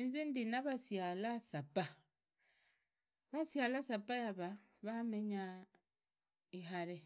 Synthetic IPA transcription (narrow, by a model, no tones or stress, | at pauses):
inzindinaβasjalasapa | βasjalasapajaβa | βameɲa | ihaɾe